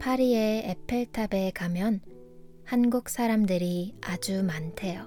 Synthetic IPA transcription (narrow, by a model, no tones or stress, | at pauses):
pʰaɾieepʰeɭtʰabe̞kamjʌn | hanɡuk̚s͈ʰaɾamdɯɾiad͡ʑumantʰe̞jo